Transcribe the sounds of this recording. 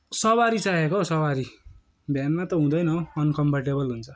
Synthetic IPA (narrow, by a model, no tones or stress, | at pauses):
sʌwaɾit͡saɦekosʌwaɾi | bʱjanmat̪ʌɦũd̪ʌjnʌʌnkʌmpʌrʈebʌlɦunt͡sʰʌ